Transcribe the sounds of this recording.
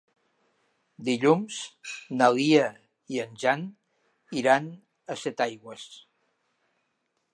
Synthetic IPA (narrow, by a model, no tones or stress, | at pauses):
d̪iʎumz̥naliə | iənʲʒan | iɾan | əsɛt̪ajɣwəs